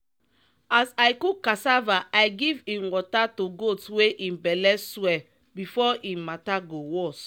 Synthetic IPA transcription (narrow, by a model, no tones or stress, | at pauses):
asajkukasavaʔajɡivĩnwɔtatuɡodsweʔĩnbɛlɛːwɛ | bifɔʔĩnmataɡowɔs